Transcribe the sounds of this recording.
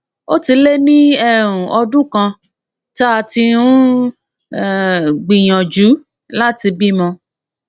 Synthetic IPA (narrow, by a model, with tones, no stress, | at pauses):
o˦ti˧le˦nĩ˦ɛ˦ɾ̃ũ˨ʔɔ˧dũ˦kã˧ | ta˦a˧ti˧ũ˦ | ɡ͡bĩ˨j̃ã˨d͡ʒu˨˦ | la˦ti˧bi˦mɔ̃˧